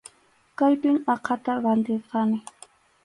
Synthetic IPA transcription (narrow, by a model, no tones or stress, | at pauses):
kajpɪŋɑqʰɑt̪aɾant̪ɪɾqɑnɪ